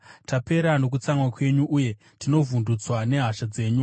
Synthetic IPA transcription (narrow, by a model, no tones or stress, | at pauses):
tape̞ɾano̞k̬ut͡samwakwe̞ɲuʔuje̞ | tino̞vundut͡swane̞ɦaʃad͡ze̞ːɲu